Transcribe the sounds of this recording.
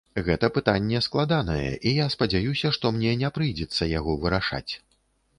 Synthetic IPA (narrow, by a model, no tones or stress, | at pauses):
ɣɛt̪ɐpɨt̪anʲːɛsklˠad̪anɐjɛ̰ʔijaspɐd͡zʲajusʲɐʂt̪ɔmnʲɛnʲɛpɾɨjd͡zʲɛt̪sːɐjaɣɔvɨɾaʂa̰t͡sʲ